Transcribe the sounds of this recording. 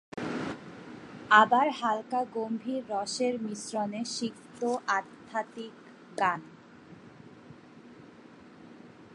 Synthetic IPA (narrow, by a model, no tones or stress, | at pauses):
abaɾɦalkaɡombʱiɾːɔʃeɾmisɾoneʃikt̪oʔat̪ʰːat̪ik | ɡan